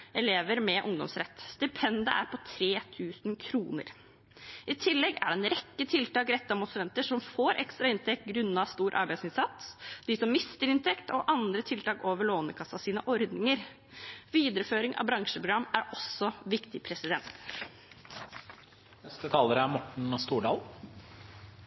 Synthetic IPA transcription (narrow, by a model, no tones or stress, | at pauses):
ʔɛleːʋəɾmɛʔʊŋd̪ɔ̰msɾɛt̪ːst̪ɪpʰɛnd̪əʔæ̰ɾpʰɔt̪ʰɾeːt̪ʰʉːsn̩kʰɾuːnə̰ɾ | ʔɪt̪ʰɪlːɛɡæ̰ɖɛɛnɾɛkːət̪ʰɪlt̪ɑːkɾɛt̪ːɑmʊnslɛnt̪əʂɔmfoːɾʔɛ̰kst̪ɾɑɪnt̪ʰɛk̚t̪̚ɡɾʉnːɑst̪uːɾʔɑ̰ɾbæɪsɪnsɑt̪sd̪ɪsɔmːɪst̪əɾɪnt̪ʰɛkt̪ɔʔɑnd̪ɾət̪ʰɪlt̪ɑːkoːʋəɭoːnəkʰɑsːɑsiːnəʔɔɾd̪nɪŋəɾ | ʋiːd̪əɾəføːɾɪŋʔɑ̰ʋbɾɑŋʂəpɾʊɡɾɑmːæɾɔsːɔʋɪkt̪ɪpʰɾɛsɪd̪ɛnt̪ | nɛst̪ət̪ʰɑːləɾəæmɔʈɳ̩st̪uːɖɑːl